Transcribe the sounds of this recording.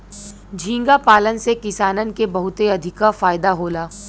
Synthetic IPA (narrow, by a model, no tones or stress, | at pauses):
d͡ʒʱĩːŋɡapaːlənsekɪsaːnənkebɐɦʊt̪eɐd̪ʱɪkafaːjd̪aɦoːlaː